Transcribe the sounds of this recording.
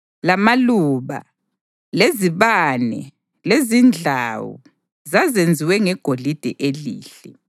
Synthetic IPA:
lamaluːβa̰ | leziβanɛ̰ | lezind͡ɮʱaːwṵ | zazend͡zʱiwɛŋɛɡ̥ʱolid̥ʱɛʔeliːɬɛ

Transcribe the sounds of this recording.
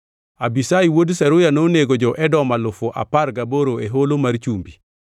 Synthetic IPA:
abisaiwodsɛɾʊjanoneɡod͡ʒɔʔɛdɔmalʊfʊʔa̰paɾɡaboɾoeɦolomaɾt͡ʃumbi

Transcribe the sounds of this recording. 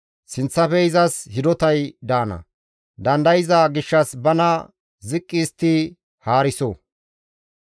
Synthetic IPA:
sɪnt͡sːɐfɛɪzɐshɪd̪ɔt̪ɐjd̪aːnɐ̰ | d̪ɐnd̪ɐjɪzaɡɪʃːɐsbɐnɐ | zɪkʼːiːst̪i | haːɾɪsɔ

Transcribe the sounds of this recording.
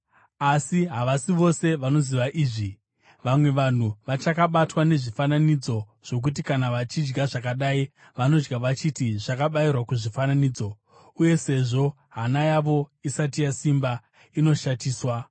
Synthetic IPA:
asiɦaʋasiʋo̞se̞ʋano̞ziʋaʔiːʐi | ʋamwe̞ʋan̤uʋat͡ʃakaɓatwane̞ʐifananid͡zo̞ | ʐ̥o̞k̬ut̬ikanaʋat͡ʃid͡ʒɡaʐakaɗai | ʋano̞d͡ʒɡaʋat͡ʃitiʐakaɓairwakuʐifananiːd͡zo̞ | uje̞se̞ʐo̞ | ɦanajaʋo̞isatijasimba | ino̞ʃatiːswa

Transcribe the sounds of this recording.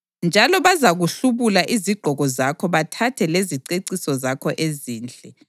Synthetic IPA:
nd͡ʒʱalɔβazaɣuɬuβulaʔiziɡ͡ǃʱɔɣɔzakʰɔβatʰatʰɛleziǀeǀisɔzakʰɔʔeziːnd͡ɮʱʼɛ

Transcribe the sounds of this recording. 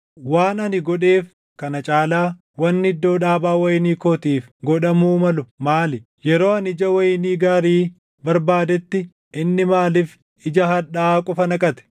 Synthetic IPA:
waːnɐnɪɡɔᶑe̞ːf | kɐnɐt͡ʃʼaːlaː | wɐnːɪd̪ːo̞ːᶑaːbaːwɐjɪniːkoːt̪iːfɡɔᶑɐmuːmɐlʊmaːlɪ | jɛɾo̞ːɐnɪd͡ʒɐwɐjniːɡaːɾiː | bɐɾbaːd̪ɛt̪ːɪ | ʔɪnːɪmaːlɪf | ɪd͡ʒɐɦɐᶑaːkʼɔfɐnɐkʼɐt̪ɛ̥

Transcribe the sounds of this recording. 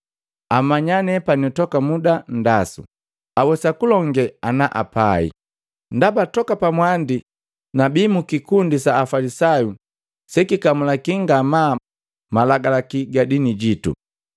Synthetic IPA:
amaɲanɛpanɔtɔkamudandasṵ | awɛsakulɔŋɡɛanaʔa̰paḭ | ndabatɔkapamwandi | nabimukikundisaːfalisaju | sɛkikamulakiŋɡama | malaɡalakiɡadiniɟitṵ

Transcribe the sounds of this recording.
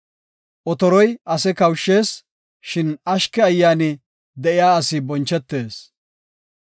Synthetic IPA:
ʔɔt̪ɔɾɔjʔɐsɛkɐwʃːe̞ːs | ʃɪnɐʃkɛɐjːaːnɪ | d̪ɛʔɪjaːɐsɪbɔnt͡ʃːɛt̪ːe̞ːs

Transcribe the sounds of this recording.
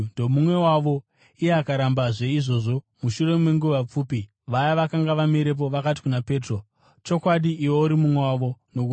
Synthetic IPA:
domumwe̞waʋo̞ | ijeakaɾambaʐe̞iʐo̞ʐo̞ | muʃure̞meŋɡuʋap͡fuːpi | ʋajaʋakaŋɡaʋameɾe̞p̬o̞ʋakat̬i̥kunape̞ːtro̞ | t͡ʃo̞kwaɗiʔːwo̞uɾimumwewaʋo̞no̞ku

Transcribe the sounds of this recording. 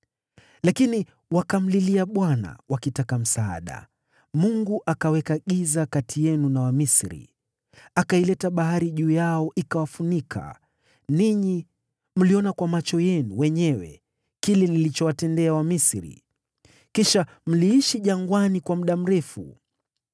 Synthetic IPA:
lakini | wakam̩liliaɓwana̰wʔakitakam̩saa̰ɗa̰ | muŋɡuʔakawɛkaɠizakatʰijɛnunawamisɾḭ | akailɛtaɓaɦaɾiʄuːjaɔʔikawafunikʰa̰ | niɲi | m̩liɔnakwamat͡ʃɔjɛnuwɛɲɛwɛ̰ | kilɛnilit͡ʃɔwatɛndɛawamisɾḭ | kiʃa | m̩liiʃiʄaŋɡwanikwamuɗam̩ɾɛfṵ

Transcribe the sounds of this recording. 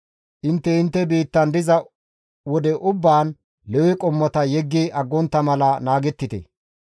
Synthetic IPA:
ʔɪnt̪ːɛɪnt̪ːɛbiːt̪ːɐnd̪ɪzɐ | wɔd̪ɛʔʊbːaːn | lɛwɪkʼɔmːɔt̪ɐjɛɡːiʔɐɡːɔnt̪ːɐmɐlɐnaːɡɛt̪ːɪt̪ɛ̰

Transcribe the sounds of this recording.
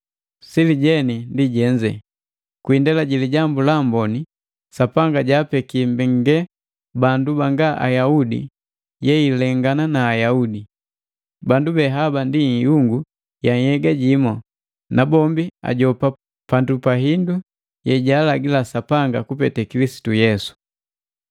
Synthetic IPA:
siliɟɛnindiɟɛɲd͡ʒɛ̰ | kwindɛlaɟiliɟambulambɔni | sapaŋɡaɟaːpɛkimbiŋɡɛ | bandubaŋɡaʔa̰jaudḭ | jɛilɛŋɡananaːjaudi | bandubɛɦabandijuŋɡu | jaŋhɛɡaɟimɔ | nabɔmbia̰ɟɔpa | pandupaɦindu | jɛɟaːlaɡilasapaŋɡakupɛtɛkilisi̥tujɛsu̥

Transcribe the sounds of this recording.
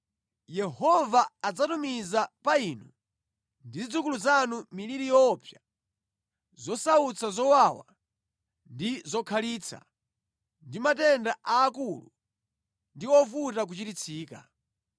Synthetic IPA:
jɛhɔvaːd͡zatumizapainu | ndizid͡zuk̬uluzanumiliɾijɔpja | zɔsaut͡sʰazɔwawa̰ | ndizɔkʰaliːt͡sʰa̰ | ndimatɛndaʔaːkulṵ | ndiɔfutak̬ut͡ʃitit͡sʰiːka̰

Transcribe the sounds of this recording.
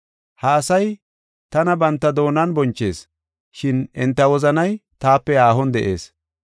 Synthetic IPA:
hɐːsɐj | t̪ɐnɐbɐnt̪ːɐd̪o̞ːnɐnbɔnt͡ʃːe̞ːs | ʃɪnɪnt̪ːɐwɔzɐnɐjt̪aːpːɛaːɦɔnd̪ɛʔe̞ːs

